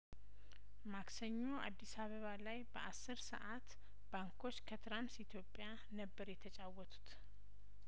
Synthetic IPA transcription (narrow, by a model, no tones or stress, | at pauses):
maksəɲːoʔad̪ːisaβəβalajbəʔasːɨɾsə̰ʔat̪ | baŋkʰo̞t͡ʃːkʰət̪ʰɾamsit̪ʰjo̞pʼːja | nəbːəɾjɛt̪ʰət͡ʃʼawːɔt̪ʰu̥t̪